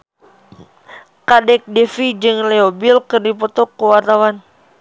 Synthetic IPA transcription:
kadɛk̚dɛfid͡ʒɨŋleobilkərdip̬ɔt̪ɔkːəwart̪awan

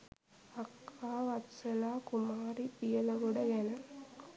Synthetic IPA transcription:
ɐkʰːaːʋɐtsɐlaːkʊmaːɾipɪjɐlɐʋɯɽɐjɛnɐ

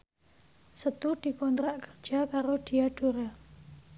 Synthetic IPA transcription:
sət̪ud̪̥i̤kɔnt̪ɾaʔkər̥d͡ʒ̥akaɾod̪̥iaɖ̥o̤ɾa

